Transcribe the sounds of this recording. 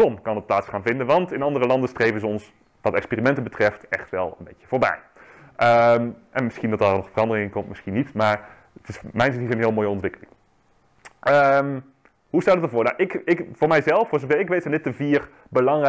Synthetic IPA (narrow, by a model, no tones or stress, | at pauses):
ɔmkɑnət̚plaːtsχaːnvɪndənʋɑntɪnɑndərəlɑndəstrejvəzəɔns | ʋɑtɛkspiːrimɛntəbətrɛftɛχtʋɛ̰lˠə̰nbejcə̥v̥oːɹbɛ̰j | ʔəmʔɛnmɪsχindɑt̚dɑnɔχfərɑndərɪŋɪŋkɔmtmɪsχinitmaːɹ | ətɪsmɛjnsizənɦɪːlˠmoːjəɔntʋɪkəlɪ̰ŋ | ʔəm | ɦustaːdətəvʊːɹnaʔɪkɪkv̥ʊːɹmɛjzɛlˠfosəvɛɪkʋejtsɛndɪt̚əviːr | bəlɑŋrɛ